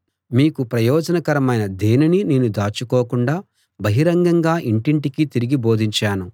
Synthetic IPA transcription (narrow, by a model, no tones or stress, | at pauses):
miːkupɾɐjɔːd͡ʒɐnɐkɐɾɐmɐjnɐd̪e̞ːninineːnud̪aːt͡ʃukoːkuɳɖaː | bɐɦiɾɐŋɡɐŋɡaːʔiɳʈiɳʈikit̪iɾiɡibo̞ːd̪ʱiɲt͡ʃaːnu